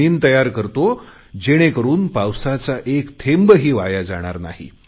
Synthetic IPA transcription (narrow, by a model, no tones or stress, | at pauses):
iːnt̪əjaɾkəɾt̪o | d͡ʑeɽ̃ekəɾuːnpawsat͡saʔekt̪ʰembəɦiːʋajad͡zaɽ̃aɾna̰ɦḭ